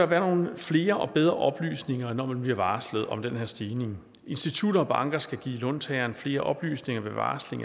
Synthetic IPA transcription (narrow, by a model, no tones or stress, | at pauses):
ʋæːɐno̝ːn̩fle̝ːɐʔɒ̽b̥eð̞ˠʁɐʔɒ̽b̥ly̰ːsne̝ŋɐnɒ̰mænb̥liɐʋɑ̈ːsləð̞̩ˠɒ̽md̥enheɐ̰sd̥iːne̝ŋ | ʔe̝nsd̥it͡sʰud̥ɐɒ̽b̥ɑ̈ŋɡ̥ɐsɡ̥æɡ̥ḭːlɔ̽nt͡sʰɛɐnfle̝ːɐʔɒ̽b̥ly̰ːsne̝ŋɐʋe̝ʋɑ̰̈ːsle̝ŋɐ